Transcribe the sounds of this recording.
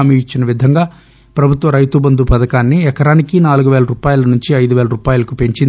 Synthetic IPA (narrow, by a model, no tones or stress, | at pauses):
miit͡ʃːinɐʋid̪ʱɐŋɡaː | pɾɐbʱut̪ʋɐɾɐjt̪ubɐnd̪upɐd̪ɐkaːnːiɛkɐɾaːnikinaːluɡuʋɛːlɐɾuːpaːjulɐnuɲt͡ʃiɐjd̪uʋɛːlɐɾuːpaːjulɐkupeɲt͡ʃind̪